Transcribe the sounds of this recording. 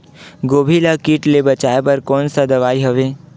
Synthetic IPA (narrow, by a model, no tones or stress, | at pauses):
ɡoːbʱilakiːʈlebɐt͡ʃaːepɐɾkɔːnsad̪ɐʋaːiɦɐʋeː